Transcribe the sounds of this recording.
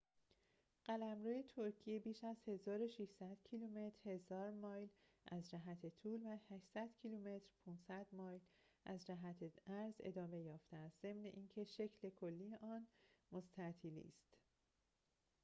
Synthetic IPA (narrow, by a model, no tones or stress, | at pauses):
ɢ̥ælæmɾuːjet̪ʰoɾcʰije̞biːʃæz̥he̞zɒːɾo̞ʃiʃsæd̪̥cʰilume̞t̪ʰɾ̥he̞zɒːɾmɒːjl | ʔæzd͡ʒæɦæt̪ʰet̪ʰuːlvæhæʃsæd̪̥cʰiluːme̞t̪ɾpʰuːnsæd̪̥mɒːjl | ʔæzd͡ʒæɦæt̪ʰeæɾzḛd̪ɒːme̞jɒːft̪ʰeæst̪z̥e̞mne̞ʔiːncʰe̞ʃe̞cʰle̞kʰo̞lːijeʔɒːnmo̞st̪ʰæt̪ʰiːlḭːst̪